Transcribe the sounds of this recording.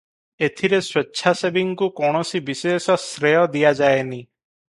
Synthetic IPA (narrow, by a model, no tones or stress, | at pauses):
et̪ʰiɾeswetːʃʰasebiŋkukɔɽ̃ɔsibisesɔsɾejɔd̪ijad͡ʒajeni